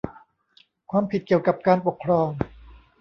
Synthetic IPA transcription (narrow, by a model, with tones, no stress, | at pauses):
kʰwaː˧mpʰi˨˩t̪̚ki˨˩əwka˨˩p̚kaː˧npo˨˩kʰːɾɔː˧ŋ